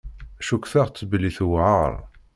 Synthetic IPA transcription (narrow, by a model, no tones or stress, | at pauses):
æʃukθæʁt͡sːbəliθwʕa̰ɾˤ